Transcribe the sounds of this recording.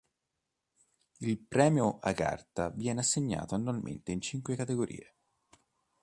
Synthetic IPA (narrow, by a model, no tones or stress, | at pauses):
ilpɾɛːmjoʔaɡa̰rt̪avjɛːneasːeɲːa̰ːt̪oanːualmʔḛnt̪eint͡ʃiŋkwekat̪eɡoɾʔḭːe